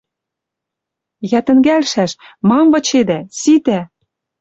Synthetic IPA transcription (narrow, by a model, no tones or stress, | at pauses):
jæt̪ɘ̆ŋɡælʃæʃmɑmvɤ̆t͡ɕed̪æsit̪æ